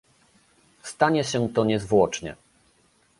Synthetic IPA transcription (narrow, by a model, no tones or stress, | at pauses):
st̪aɲɛɕɛt̪ɔɲɛzvwɔt͡ʂɲɛ̰